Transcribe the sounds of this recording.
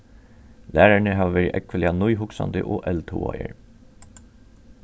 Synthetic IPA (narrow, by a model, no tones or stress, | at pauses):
læːɾæɳəɦɑːʋʋæːɾəʔɛkʋəlɪɑnʊʏɦʊksɑ̰nd̪ə̰ʔoːʔɛlt̪ʰṵːɑ̰ə̰ɹ